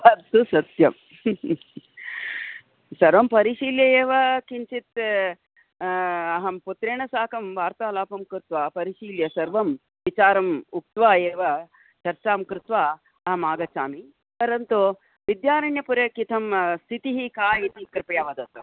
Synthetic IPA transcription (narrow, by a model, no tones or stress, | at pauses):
ɐsusɐt̪jɐm | sɐɾʋɐmpɐɾiʃiːljɐjeːʋɐkiɲt͡ʃit̪ | ɐɦɐmput̪ɾeːɳɐsaːkɐmʋaːɾt̪aːɐlaːpɐmkɾɪt̪ʋaːpɐɾiʃiːljɐsɐɾʋɐm | ʋit͡ʃaːɾɐmuk̚t̪ʋaːjeːʋɐ | t͡ʃɐɾt͡ʃaːmkɾɪt̪ʋaː | ɐɦɐmaːɡɐt͡ʃaːmi | pɐɾɐnt̪u | ʋid̪jaːɾɐɳjɐpuɾɐkit̪ʰɐmst̪ʰit̪iɦikaːjit̪ikɾpɐjaːʋɐd̪ɐt̪ɐ